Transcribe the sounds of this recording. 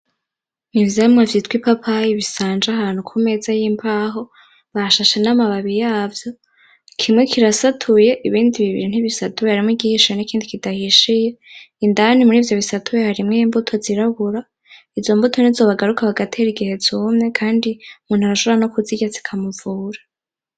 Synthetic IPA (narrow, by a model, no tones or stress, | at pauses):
nivjaimŋavjiːtkwipapʰaiβisaːnd͡ʒaɦaːn̥hukʰume̞zajiːmpʰaːɦo̞ | βaʃaʃenamaβaβijaːvjo̞ | kʰimŋe̞kʰiɾasatʰuje̞ʔiβiːndiβiβḭɾin̥hiβisatuβehaɾimŋiɡihiʃienikʰiːndikidahiʃijeindanimuɾiːvjo̞βisatʰuβehaɾimŋeiːmbutʰo̞ziɾaβuɾa | ivzo̞mbutʰonizo̞ːβaɡaɾukʰaβaɡatʰeɾiɡihe̞zuːmŋe̞kʰaːndiumuːnuhaɾaʃoɾanokuziɡet͡si̥kʰamuvuːɾa